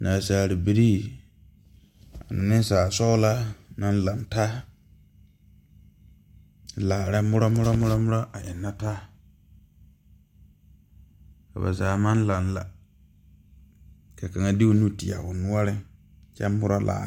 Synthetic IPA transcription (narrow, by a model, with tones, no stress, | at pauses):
na˨saː˨ɾi˨bi˨ɾi˦ | a˨nɪ˨nɪ̃˦saː˨sɔ˦la˦nã˦n˦la˨nta˦˨ | laː˨ɾɛ˦mʊ˦ɾɔ˦mʊ˦ɾɔ˦mʊ˦ɾɔ˦mʊ˦ɾɔ˦ʔa˨ʔɪ˨nːa˦taː˦ | ka̰˨ba̰˨zaː˨mã˦n˦la˨nla̰˨ | ka˨ka˨ŋa˦˨di˦o˦˨nũ˦ti˨a̰˨wʊ˨nʊ˦a˦ɾɪ˦ | t͡ʃɛ˦mːʊ˦ɾɔ˦lʔa̰ː˨